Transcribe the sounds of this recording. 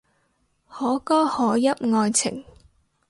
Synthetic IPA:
hɔː˨˥kɔː˥hɔː˨˥jɐ˥p̚ŋɔː˧jt͡sʰɪ̰˨˩ŋ

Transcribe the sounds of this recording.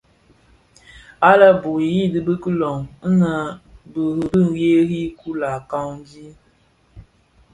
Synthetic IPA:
a˦la˦bu˨ji˦˨dɨ˦bə˦kə˦lɔ˨ŋ̩˦na˦bə˨ɾi˨bi˦n˨je˦ɣi˦ku˦la˨ka˦wn˦di˦

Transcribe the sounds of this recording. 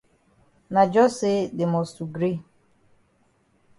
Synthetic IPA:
na˨d͡ʒɔ˦sɪ˦dɪ˨mɔ˨stu˨ɡɾi˦

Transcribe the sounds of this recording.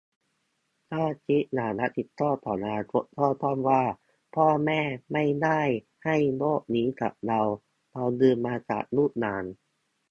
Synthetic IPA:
t̪ʰaː˥˩t͡ɕʰi˦˥naː˩˦nla˦˥ʔt̪i˨˩t̪ʰːɔː˥˩t̪ʰɔː˩˦naː˧˥t̪ʰɔː˥˩t̪ʰɔː˥˩nwaː˥˩ | pʰɔː˥˩mɛː˥˩ma˥˩jda˥˩j | ha˥˩jnoː˥˩k̚niː˦˥ka̰˨˩p̚ɾa˧w | ɾa˧wnɯː˧nmaː˧t͡ɕa̰ː˨˩k̚nuː˥˩t̪̚naː˨˩˦n

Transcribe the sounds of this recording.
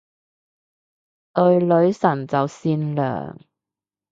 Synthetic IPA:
t̪ɵ˧ɥlɵ˨˧˥ɥsɐ˨˩nt͡sɐ˨wsiː˧nlœ̰ː˨˩ŋ

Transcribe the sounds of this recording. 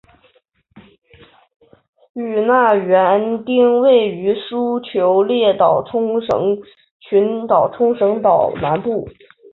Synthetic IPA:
y˨˩na˥˩ɥɛ˧˥nt̪i˥ŋwe˥˩ɪy˧˥ʂu˥t͡ɕʰjo˧˥ʊljɛ˥˩t̪ɑ˨˩ʊʈ͡ʂʰʊ˥ŋʂɤ̰˧˥ŋ | t͡ɕʰy˧˥nt̪ɑ˨˩ʊʈ͡ʂʰʊ˥ŋʂɤ˧˥ŋt̪ɑ˨˩ʊna˧˥npu˥˩

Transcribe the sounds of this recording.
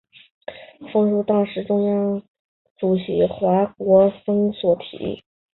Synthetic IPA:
fɤ˥ŋʂu˥˩t̪ɑ˥ŋʂɻ̩˧˥ʈ͡ʂʊ˥ŋjɑ˥ŋ | ʈ͡ʂu˨˩ɕi˧˥xwa˧˥kwɔ˧˥fɤ˥ŋswɔ˨˩t̪ʰḭ˨˩˥

